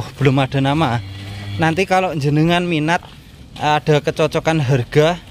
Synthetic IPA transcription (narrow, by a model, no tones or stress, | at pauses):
hb̥əlʊmaɖ̥a̤namanant̪ikaloɲd͡ʒənəŋanminat̪̚ | aɖ̥a̤kət͡ʃɔt͡ʃɔkanɦərɡ̥a̤